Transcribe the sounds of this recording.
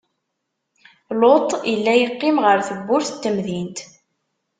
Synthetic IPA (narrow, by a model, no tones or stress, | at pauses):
lot̪ˤilːæjəqːɪmʁəɾθəbːʊɾθə̥t̪ːəmðint̪